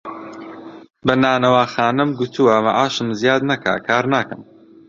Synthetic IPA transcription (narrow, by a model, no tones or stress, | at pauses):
bɐnaːnɐwaːxaːnɨmɡʊt̪ʰuwɐmaʔaːʃɨmzjaːd̪nɐkʰa̰ːkʰaːɾnaːkɐm